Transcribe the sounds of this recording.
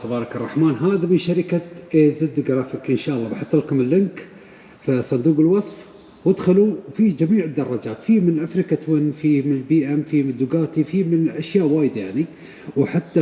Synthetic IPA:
xabɑːɾˤɑkɑrˤːɑħmaːnɦaːðamɪnʃaɾɪkaʔezɪd̪ːɡɾɑːfɪkʔɪnʃaːʔɑlˤːɑːbɪħɑt̪ˤːɨlkʊmɪlːɪnk | fisˤɑnd̪uːqɪlwɑsˤf | wɪd̪xɪlufid͡ʒamiːʕɪd̪ːɑrˤːɑd͡ʒaːt̪fiːmɪnʔafɾɪkat̪wɪnfiːmɪnɪlbiːʔamfimɪd̪ʊɡaːt̪ifiːmɪnʔaʃjaːʔwaːjd̪ajaʕni | wħat̪ːa

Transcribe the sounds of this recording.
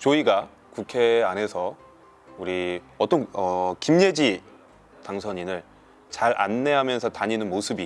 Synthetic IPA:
t͡ɕoiɡa | kukʰe̞anɦe̞sʰʌ | uɾi | ʌt͈ʌnʌkimɲe̞d͡ʑi | taŋsʰʌɲinɯɭ | t͡ɕaɾʔa̰nːe̞ɦamjʌnsʰʌtaɲinɯnmosʰɯbi

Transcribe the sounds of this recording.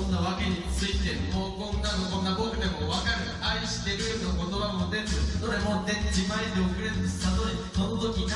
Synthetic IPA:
onːaβake̞ɲ̟it͡sɨit̪e̞moːkõnːanokõnːabokɯ̟d̪emoβakaɾɯ̟ | aiɕi̥t̪e̞ɾɯnoko̞t̪o̞βamod̪e̞ɯɯsod̪emod̪ed͡ʑimaid̪eokɯ̟ɾeɾɯnessad̪oɲiso̞not̪o̞kʲina

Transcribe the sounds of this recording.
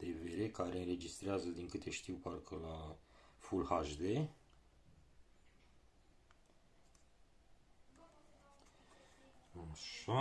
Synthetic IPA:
d̪̥eve̞ɾe̞kaɾe̞ɨnre̞d͡ʒist̪ɾeazəd̪iŋkɨt̪ʰe̞ʃt̪iwparkʰəlafulhaʒd̪e̞ | aʃa

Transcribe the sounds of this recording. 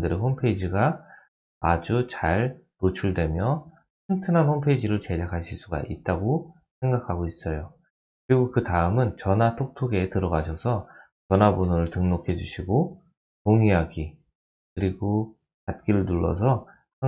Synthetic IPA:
dɯɾeɦompʰe̞id͡ʑiɡa | ad͡ʑut͡ɕaɭnot͡ɕʰuɭdwe̞mjʌ | kʰɯntʰɯnɦanhompʰeid͡ʑiɾɯɭt͡ɕe̞d͡ʑakʰaɭɕʰis͈uɡa̰ʔit̚t͈aɡo | sʰe̞ŋɡakʰaɡois͈ʌjo | kɯɾiɡokɯtaɯmɯnt͡ɕʌnatʰok̚tʰoɡe̞tɯɾʌɡaɕʰʌsʰʌ | t͡ɕʌnɦabonʌɾɯɭtɯŋnokʰe̞d͡ʑuɕʰiɡo | toŋiɦaɡi | kɯɾiɡo | pat̚k͈iɾɯɭnuɭːʌ̰s̬ʰʌ | a

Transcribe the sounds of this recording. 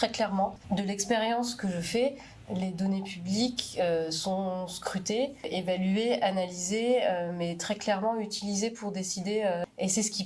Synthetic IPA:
t̪χɛklɛʁmɑ̃d̪əlɛkspeʁjɑ̃skəʒəfɛ | led̪ɔnepyblikøsɔ̃skχyt̪eevalyeanalizeømɛt̪χɛklɛʁmɑ̃yt̪ilizepuʁd̪esid̪eøesɛsə̥kʲi

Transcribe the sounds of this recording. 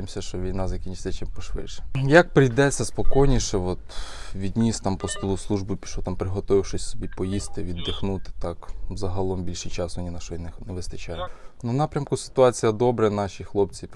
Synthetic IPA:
emsʲɐʃt͡ʃɔʋʲijnɑzɐkʲinʲt͡ʃɪ̥t͡sʲɐt͡ʃimpɔʃʋɪ̰dʃɛ̥jɐk̚pɾɪjd̪ɛt͡sʲːɐspɔkɔjnʲiʃɛʋɔt̪ʋʲid̪ʲnʲist̪ɑmpɔst̪ulˠʊslˠuʒbʊpʲi̥ʃɔt̪ɑmpɾɪɦɔt̪ɔʋɪwʃɪsʲsɔbʲipɔjist̪ɪʋʲid̪ːɪxnut̪ɪ̥t̪ɑkzɐɦɐlˠɔmbʲilʲʃijt͡ʃɑsʋɔnʲinɐʃɔjinɪnɛʋɪst̪ɐt͡ʃajʊnɐnɑpɾʲɐmkʊsɪ̥t̪ʊɑt͡sʲijɐd̪ɔbɾɛnɑʃʲixlˠɔp̚t͡sʲi

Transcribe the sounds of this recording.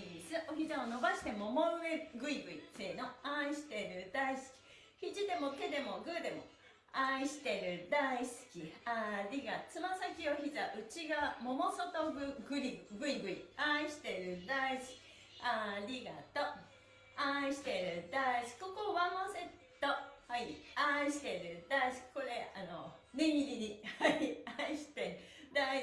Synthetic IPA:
ɾʲisɨʔo̞çizaono̞baɕi̥t̪e̞mo̞moɯe̞ɡɯ̟iɡɯ̟ite̞ːnoaiɕi̥t̪e̞ɾɯ̟d̪aisɨ̥kʲi̥ | çid͡ʑid̪e̞mo̞t̪e̞d̪e̞mo̞ɡɯ̟d̪e̞mo̰ | aiɕi̥t̪e̞ɾɯ̟d̪aisɨ̥kʲiaɾʲiɡat͡sɨmasakʲio̞çizaʔɯ̟t͡ɕiɡamo̞mo̞sot̪oɡɯɡɯɾʲiɡɯ̟ɾʲiɡɯ̟ɾʲḭaiɕi̥t̪e̞ɾɯ̟d̪aisɨ̥kʲi̥ | aɾʲiɡa̰t̪o | aiɕi̥t̪e̞ɾɯ̟d̪aisɨ̥kʲi̥kokoβamose̞t̪ːohaiaiɕi̥t̪e̞ɾɯ̟d̪aisɨ̥kʲi̥ko̞ɾe̞anonemʲiɾʲiɾʲihaiaiɕi̥t̪ed̪a

